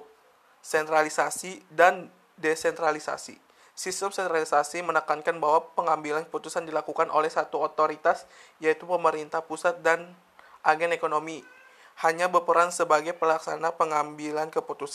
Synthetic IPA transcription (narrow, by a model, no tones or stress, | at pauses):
sɛnt̪ɾalisasidan | desɛnt̪ɾalisa̰sḭ | sist̪əmsɛnt̪ɾalisasimənəkankanbaɦwapəŋambilankəput̪usandilakukanʔolɛhsat̪uot̪oɾit̪asjait̪upəməɾint̪ahpusat̪̚dan | ʔaɡɛnekonomi | haɲabərpəɾansəbaɡajpəlaksanapəŋambilankəput̪us